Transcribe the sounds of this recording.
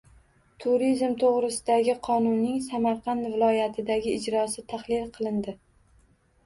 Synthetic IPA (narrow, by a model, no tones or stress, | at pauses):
t̪ʰuɾizmt̪ʰoʁɾɪsɪd̪aɡʲɪqʰɒnʊnːɪŋsamaɾqʰɑnd̪vɪlˠɒjat̪ʰɪd̪aɡʲɪːd͡ʒɾɒsɪt̪ʰaχlˠɪlqʰɨlˠɪnd̪ɪ